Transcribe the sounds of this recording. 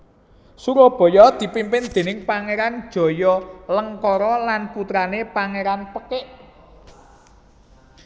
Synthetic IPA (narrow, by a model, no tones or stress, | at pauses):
suɾob̥ɔ̤jɔd̪̥i̤pimpɪnd̪̥e̤nɪŋpaŋeɾand̥ʒ̥ɔ̤jɔləŋkɔɾɔlanput̪ɾanepaŋeɾanpəkɪʔ